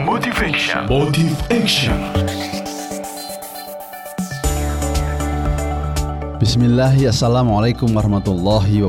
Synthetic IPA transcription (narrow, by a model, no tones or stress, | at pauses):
mot̪ifɛkʃa̰ | b̥ɪsmɪlːaɦiasːalamʕalajkʊmɑhmat̪ulˤːɑɦiwa